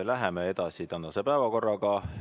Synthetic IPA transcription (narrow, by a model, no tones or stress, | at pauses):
læɦemee̞d̪̥ɑsit̪ɑnːɑsepæevɑko̞rːɑɡɑ